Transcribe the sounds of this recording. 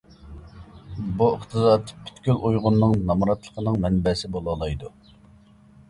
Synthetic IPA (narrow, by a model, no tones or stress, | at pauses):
buəχt̪ʰɨzɑːt̪pʰy̥t̪kʲylʔujʁʊnːɨŋnɑmɾɑt̪lˠə̥qʰənɨŋmɛnbɛsɪbolˠɑlˠɑjd̪u